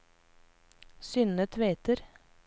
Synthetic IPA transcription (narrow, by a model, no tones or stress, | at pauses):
sʏnət̪ʰʋeːt̪əɾ